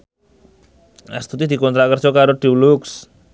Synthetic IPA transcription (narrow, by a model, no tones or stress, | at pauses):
a̰st̪ʰut̪̬id̪ʱikɔnt̪ɾakəɾt͡ʃɔkaɾoʈiwluks